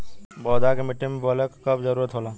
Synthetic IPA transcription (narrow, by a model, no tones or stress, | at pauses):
bɔːd̪akemɪʈimbɔləkkɐbzɐɾuːɾət̪ɦoːlaː